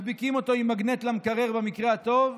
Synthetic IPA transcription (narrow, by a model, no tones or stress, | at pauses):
bikimo̞t̪o̞imaɡnet̪lamkaʁe̞ʁbamikʁeat̪o̞v